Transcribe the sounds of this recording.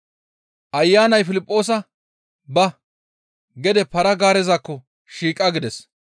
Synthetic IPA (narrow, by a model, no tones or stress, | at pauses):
ʔɐjːaːnɐjfɪlɪpʼːo̞ːs̬ɐ | bɐ | ɡɛd̪ɛpɐɾɐɡaːɾɛzakːɔ | ʃiːkʼːɐɡɪd̪ɛs